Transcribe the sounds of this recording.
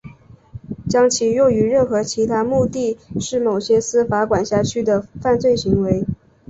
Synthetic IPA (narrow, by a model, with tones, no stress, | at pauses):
t͡ɕjɑ˥ŋt͡ɕʰi˨˥jo˥˩ʊy˧˥ɻə˥˩nxɤ˧˥t͡ɕʰi˧˥t̪ʰa˥mu˥˧t̪i˥˧ʂɻ̩˥˩mo˨˩ʊɕjɛ˥sɹ̩˥fa˧˥kwa˨˩nɕja˥˩t͡ɕʰy˥d̪ə˨fa˥˧nt͡swe˥˩ɪɕi˧˥ŋwe˧˥ɪ